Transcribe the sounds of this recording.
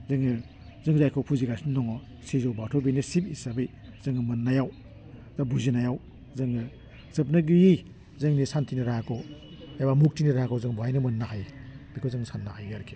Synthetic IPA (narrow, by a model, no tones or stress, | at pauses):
zɯŋɯ | zɯŋzajkʰɔwpʰuziɡasinːɔŋɔ | sezɔwbatʰɔbenisipisabɯj | z̥ɯŋɯmɐnːajaw | zabuzinajaw | zɯŋɯ | z̥ɯp̬nɯɡuji | zɯŋnisantʰinɯɾakʰow | ebamuk̚tiniɾakʰɔwzɯŋbajnɯmɐnːaɦajbikʰowzɯŋsanːahajɡaɾkʰe